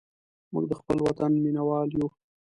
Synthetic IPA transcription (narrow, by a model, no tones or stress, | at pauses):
mṵɡd̪əxpəlwat̪anminawɑlju